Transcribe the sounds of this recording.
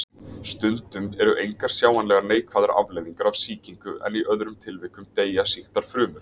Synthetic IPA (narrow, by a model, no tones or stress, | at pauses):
st̪ʏnt̪ʏmɛɾʏʔejŋkaɾ̥sjaːwanlɛɣaɾneːjkʰvaːðaɾa̰vleːjðiŋkaɾavsiːciŋkʏʔɛ̰niʔœðɾʏmt̪ʰɪlvɪːkʏmt̪eːjasixt̪aɾ̥fɾʏːmʏɾ̥